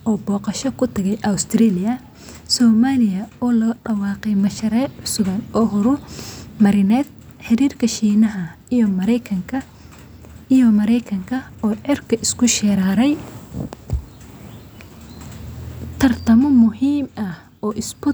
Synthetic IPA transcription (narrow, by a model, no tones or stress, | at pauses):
ʔɔːbɔːqɑʃɔkʰʊt̪ʰɐɣɛjʔɐwst̪ʰriːlɪjɐ | sɔːmaːlɪjɐɔːlɔːɖɐwɑːqɛjmɐʃɐɾɛːʕʊsʊβɐnɔːɦʊɾʊmɐɾɪnɛːd̪̚ | ħɪɾiːrkʰɐʃiːnɐɦɐ | ijɔmɐɾɛjkʰɐŋkʰɐ | ijɔmɐɾɛjkʰɐŋkʰɐ | ɔːʕɛrkʰɐʔɪskʰʊʃɛɾaːɾɛj | t̪ʰɐrt̪ʰɐmɔmʊɦiːmɐh | ɔːʔɪsbʊ